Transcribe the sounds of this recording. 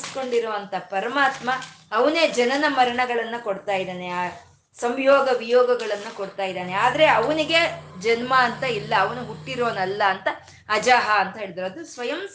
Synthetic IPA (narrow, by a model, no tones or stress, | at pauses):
sko̞ɳɖiɾɐʋɐnt̪ʰɐpɐɾɐmaːt̪mɐːʋɐneːd͡ʒɐnɐnɐmɐɾɐɳɐɡɐɭɐnːuko̞ɽt̪aːjid̪aːneaː | sɐmjɔːɡɐʋijɔːɡɐɡɐɭɐnːukoɽt̪aːjid̪aːneaːd̪ɐɾe̞ɐʋɐniɡed͡ʒɐnmaːnt̪ɐilːɐːʋɐnuɦuʈːiɾoːnɐlːɐːnt̪ɐː | d͡ʒaːɦɐːnt̪ɐɦeːɭid̪iɾoːd̪usʋɐjɐm